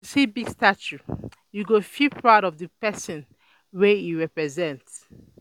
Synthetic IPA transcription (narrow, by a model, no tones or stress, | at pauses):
sibiɡstat͡ʃu | juɡofipʰɹaɾɔvðəpɛsɔ̃n | wɛiɹɛpɹɛzɛ̃nts